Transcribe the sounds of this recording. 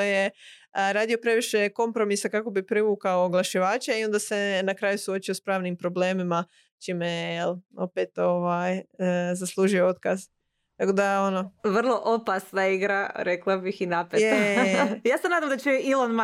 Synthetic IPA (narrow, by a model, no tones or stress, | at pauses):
oje̞ | ɾaːd̪io̞pɾe̞ʋiʃe̞ko̞mpɾo̞misakako̞bipɾiʋuːkaoɡlˠaʃiʋaːt͡ʃaio̞nd̪ase̞nakɾaːjusuo̞t͡ʃiospɾaːʋnimpɾo̞ble̞ːmima | t͡ʃiːmejjelo̞̰pet̪o̞ʋajzaslˠuːʒujoo̞t̪kaz | t̪ako̞d̪ao̞no̞ʋr̩lˠoʔopasnaiɡɾaɾeklˠabixinapejejaːsenaːd̪amd̪at͡ʃeilˠonma